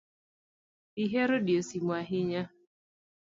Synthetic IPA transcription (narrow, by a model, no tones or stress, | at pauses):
iɦeɾodiosimwaɦɪɲa